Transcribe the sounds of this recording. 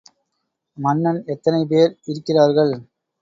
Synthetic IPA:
mɐnːɐnɛt̪ːɐnɐɪp̬eːɾɪɾɯkːɪraːɾɣɐɭ

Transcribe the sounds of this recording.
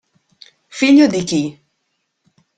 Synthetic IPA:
fiʎod̪iki

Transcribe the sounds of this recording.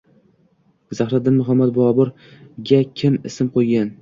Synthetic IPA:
zaχɾat̪̚d̪ɪnmʊɦamːat̪̚bʊɒbʊɾ | ɡʲakʲʰɪmɪ̰sɪmqʰojɡʲan

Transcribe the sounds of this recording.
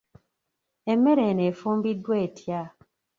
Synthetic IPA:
emːeɾenefumbidweetʰja

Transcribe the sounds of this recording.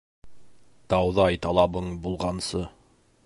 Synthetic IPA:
t̪ɑwðɑjt̪ɑlˠɑβɤɴbulˠʁɑnsɤ

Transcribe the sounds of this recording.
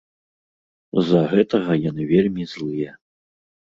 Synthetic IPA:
zɐɣɛt̪ɐɣɐjanɨvʲelʲmʲizlˠɨjɛ

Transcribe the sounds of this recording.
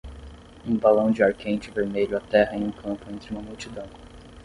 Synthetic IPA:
ũbalɐ̃w̃d͡ʒɪaɾkẽj̃t͡ʃɪveɾmeʎʊat̪ɛɦɐɛ̃j̃ũkʰɐ̃mpʊẽnt̪ɾɪũmɐmuwt͡ʃid̪ɐ̃w̃

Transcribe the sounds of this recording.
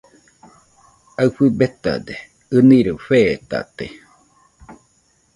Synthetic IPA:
aɸɨbet̪a̰d̪e | ɨniɾufeːt̪a̰t̪e

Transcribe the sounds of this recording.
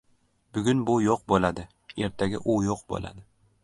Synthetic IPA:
bʊɡʲʊnbʊjoq̚bolad̪ɪ | e̞ɾt̪ʰaɡʲɪ̰ʔʊjoqbo̰la̰d̪ɪ

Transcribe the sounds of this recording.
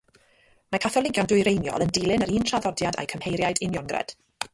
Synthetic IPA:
makʰaθɔlˠɪɡjɔndʊjɾejnjɔ̰lˠəndɪlˠɪnəɾiːntʰraðɔdjada̰jkʰəmhejɾjajdɪnjɔŋɡrɛ̰d̥

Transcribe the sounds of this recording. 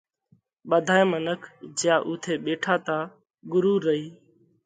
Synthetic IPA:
ɓəd̪ʱaːẽːmənəkʰd͡ʒɪjãːʔuːt̪ʰeːɓeːʈʰaːt̪aː | ɡʊɾuːɾəiː

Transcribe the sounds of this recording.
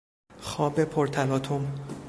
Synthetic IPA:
xɒːbe̞pʰoɾt̪ʰælɒːt̪ʰom

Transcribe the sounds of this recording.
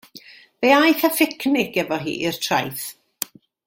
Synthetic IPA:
v̥ejajθafɪkʰnɪkɛvɔɦḭːʔirtʰra̰jθ

